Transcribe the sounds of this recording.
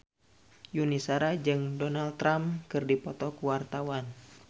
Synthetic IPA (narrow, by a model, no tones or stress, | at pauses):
junisaɾad͡ʒɨŋdɔnalt̪ːɾamkɨrdipɔt̪ɔkuwart̪awan